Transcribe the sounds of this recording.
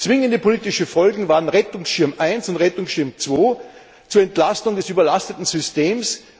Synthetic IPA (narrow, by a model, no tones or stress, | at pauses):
t͡sv̥ɪŋəndəpʰoliːtɪʃəfɔlɡŋ̩vaːʁənʁɛtʊŋsʃɪɐmʔaɪnsʊntʁɛtʊŋsʃɪɐmt͡sv̥oː | t͡suːɐɛntlastʊŋdɛsyːbɐlastətn̩zʏsteːms